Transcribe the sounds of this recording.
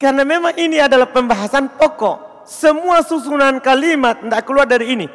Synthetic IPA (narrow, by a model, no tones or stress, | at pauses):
kaɾnamemaŋiniadalahpəmbaɦasanp̪ɔkɔʔ | səmuasusunankalimat̪̚ndaʔkəluardaɾiːni